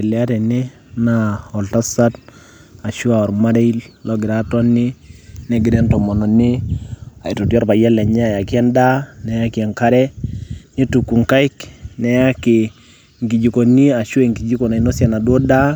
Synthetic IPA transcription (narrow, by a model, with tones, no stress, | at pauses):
ɛ˨lɛ˨a˦tɛ˨nɛ˦ | naɔ˨lta˦sa˦t | a˨ʃu˦a˨ɔ˨ɾma˦de˦i˦llɔ˦ɡɪ˨ɾa˦tɔ˦nɪ˦nɛ˦ɡɪ˨dɛ˦ntɔ˨mɔ˨nɔ˨nɪ˦a˨i˨tɔ˨tjɔ˦ɾpa˨jɛ˦lɛ˨ɲɛ˦a˨ja˨kɪ˦ɛ˦nda˦nɛ˨ja˦ki˨ɛ˨ŋka˦ɾɛ˦ni˦tu˨kːu˨ŋka˦i˦knɛ˨ja˦kɪ˨ | ŋɡi˨d͡ʒi˨ko˨ni˦a˨ʃu˦e˨ŋɡi˨d͡ʒi˦ko˨na˨i˦nɔ˦sja˨na˨dɔ˦da˦